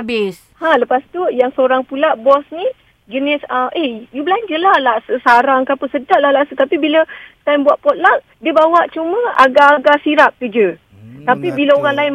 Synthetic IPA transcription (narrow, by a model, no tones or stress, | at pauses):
bɪs | haləpast̪ujaŋsəoɾaŋpulaʔbɔsni | d͡ʒənɪsəʔejubəlaɲd͡ʒəlahlaʔsəsaɾaŋkapəsədaʔlahlaʔsət̪apibilət̪ajmbuaʔpɔt̪̚laʔ̚ | diəbawaʔt͡ʃumə̃a̰ɡaːɡasiɾap̚k̪ud͡ʒə | t̪apibiləoɾaŋlaɪn